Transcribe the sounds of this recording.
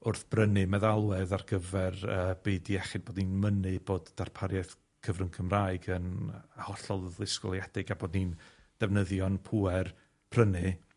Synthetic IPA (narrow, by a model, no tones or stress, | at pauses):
ʊrθb̥rənɨmɛðalˠwɛðarɡəvɛrəːbeːdiɛχɪdb̥oːdninmənɨb̥oːdd̥arpʰaɾjɛθ | kʰəvrənkʰəmraːɨɡənəhɔɬɔlˠlˠɪskʊ̰lˠjɛd̥ɪɡaboːdnin | d̥ɛvnəðjɔnpʰuɛr | b̥rənɨ